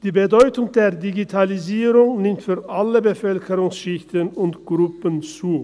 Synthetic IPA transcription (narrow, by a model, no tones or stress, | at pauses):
d̥iːbədɔʏtʊŋdeːɐdiɡitʰaliziːʁʊŋnɪmtfyːɐʔaləbəfœlkʰəʁʊŋsʃɪçtənʊntɡ̥ʁʊpənt͡suː